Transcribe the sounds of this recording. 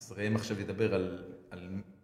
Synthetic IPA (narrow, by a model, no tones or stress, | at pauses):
zʁemaχʃeved̪abeʁalalm